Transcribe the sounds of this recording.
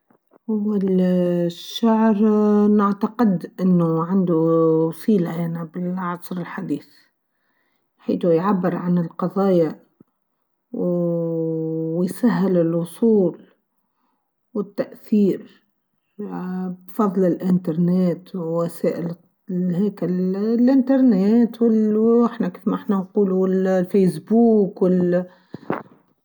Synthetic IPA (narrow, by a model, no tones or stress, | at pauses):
ʔawːal | ʃːaʕɾnɪʕt̪aqɪd̪ʔɪnːʊʕand̪usˤiːlaʔanabɪlɑʕsˤɾɪlħad̪iːθ | ħḭːt̪ujʕabːɪɾʕanɪlqɑðˤɑːja | w | jsaɦːɪlɪlwʊsˤuːl | wɪt̪ːæʔθiːɾ | bfɑðˤlɪlʔɪnt̪ɑɾˤnɛːt̪wæsæːʔɪl | hɛːkɪlʔɪnt̪ɑɾˤnɛːt̪wɪlɪħnækiːfmæʔɪħnænquːluɪllfejsbuːkwɪl